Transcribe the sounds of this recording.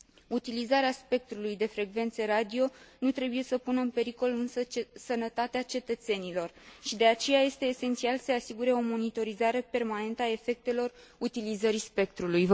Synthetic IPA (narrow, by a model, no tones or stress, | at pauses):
ut̪ilizaɾeaspe̞k̚t̪ɾulujd̪e̞fɾe̞ɡve̞nt̪seɾad̪io̞nut̪ɾe̞buje̞səpunəɨnpe̞ɾiko̞lɨnsət͡ʃsənət̪at̪eat͡ʃe̞t̪ət̪se̞nilo̞rʃid̪e̞at͡ʃe̞jaje̞st̪e̞ːse̞nt̪sialsəasiɡuɾe̞o̞mo̞nit̪o̞ɾizaɾe̞pe̞rmane̞nt̪əae̞fe̞k̚t̪e̞lo̞rut̪ilizəɾispe̞k̚t̪ɾuluj